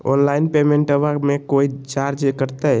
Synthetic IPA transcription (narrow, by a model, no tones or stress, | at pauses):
ɔ̰nlainpemeɳʈəʋakmekoit͡ʃaɾd͡ʒkəɾt̪ɛ